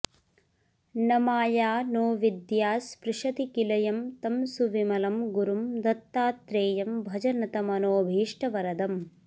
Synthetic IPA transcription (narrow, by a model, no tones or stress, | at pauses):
nɐmaːjaːnoːʋid̪jaːspɾɪʃɐt̪ikilɐjɐmt̪ɐmsuʋimɐlɐmɡuɾumd̪ɐt̪ːaːt̪ɾeːjɐmbʱɐd͡ʒɐnɐt̪ɐmɐnoːbʱiːʂʈɐʋɐɾɐd̪ɐm